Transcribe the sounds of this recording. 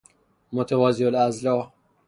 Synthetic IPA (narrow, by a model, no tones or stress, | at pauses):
mot̪ʰevɒːziolæzlɒː